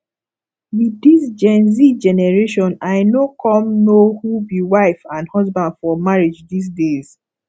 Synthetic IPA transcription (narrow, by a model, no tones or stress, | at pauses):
widisd͡ʒɛ̃nzid͡ʒɛnɛɹeʃɔ̃naɪnokʰɔ̃mnohubiwaɪfãnhɔzbãndfɔmaɹid͡ʒdis̬dez̥